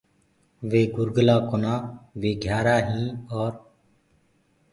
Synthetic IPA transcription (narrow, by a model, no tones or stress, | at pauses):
ʋeːɡʊɾɡəlaːkonaːʋeːɡʱjaːɾaːɦĩːɔːɾ